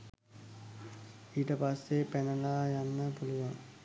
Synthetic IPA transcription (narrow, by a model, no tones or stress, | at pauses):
iːʈəpasːepænəlaːjanːəpuluʋaŋ